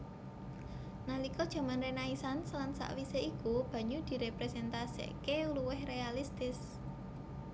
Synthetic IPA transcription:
nalikɔd̥ʒ̥a̤manɾenaisanslansa̰ʔwiseikub̥ä̤ɲud̪̥i̤ɾepɾesɛnt̪asḛkeuluwɪhrealist̪ɪs

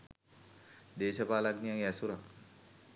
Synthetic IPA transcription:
d̪eːʃəpaːlaknijaŋɛsuɾak

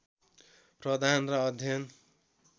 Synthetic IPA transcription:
prʌd̪ʱanrʌʌd̪ʱjʌn

